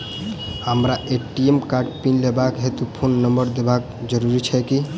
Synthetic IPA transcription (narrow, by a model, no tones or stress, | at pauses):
ɦəmɾaʔeʈiemkaɾɖpinlebakɦet̪upʰonːəmbəɾd̪ebak | d͡ʒəɾuɾit͡ʃʰɛki